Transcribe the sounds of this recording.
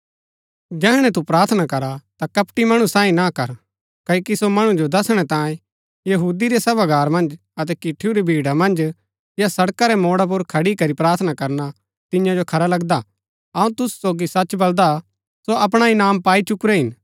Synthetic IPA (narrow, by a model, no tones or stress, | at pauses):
d͡ʒɛːɽ̃ɛ̃t̪̬upɾaːɾt̪ʰnakɐɾat̪akɐpʈimɐɽ̃ũsãːĩnakɐɾ | kɐkisomɐɽ̃ũd͡ʒod̪ɐsɽ̃ɛt̪ãːjẽ | jɐɦuːd̪iɾɛsɐbaɡʱaːɾmɐ̃nd͡ʒ | ɐt̪ɛkɪʈʰːiuɾebʱiːɽamɐ̃nd͡ʒ | jasɐɽkaɾɛmoːɽap̬ʊɾkʰɐɽikɐɾipɾaːɾt̪ʰnakɐɾna | t̪ɪ̃jãd͡ʒokʰɐɾalɐɡd̪a | ɐũt̪ʊsu̥soːɡisɐt͡ʃbɐld̪a | soʔɐp̬ɽ̃ainaːmpaːit͡ʃʊkɾɛɦɪn